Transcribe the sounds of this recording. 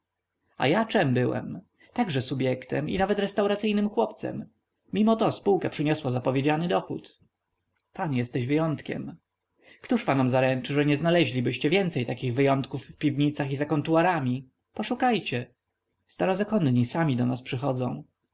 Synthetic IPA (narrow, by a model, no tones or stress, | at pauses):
a̰jat͡ʂɛmbɘwɛ̰m | t̪aɡʐɛsubʲjɛkt̪ɛ̰mḭnavɛt̪ɾɛst̪awɾat̪sɘjnɘmxwɔpt̪sɛ̰mːʲ | imɔt̪ɔspuwkapʂɘɲɔswazapɔvʲjed͡ʑanɘd̪ɔxṵt̪ | panjɛst̪ɛʑvɘjɔnt̪kʲɛ̰m | kt̪uʂpanɔmzaɾɛnt͡ʂɘʐɛɲɛznalɛʑlʲibɘɕt͡ɕɛvʲjɛnt̪sɛjt̪akʲiɣvɘjɔnt̪kufːpʲivɲit̪saxizakɔnt̪uwaɾamʲi | pɔʂukajt͡ɕɛ | st̪aɾɔzakɔnɲisamʲid̪ɔnaspʂɘxɔd̪zɔ̰̃w̃